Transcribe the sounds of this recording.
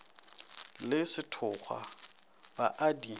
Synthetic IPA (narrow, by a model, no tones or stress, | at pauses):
lɪsɪtʰʊχwa̰ | baʔadi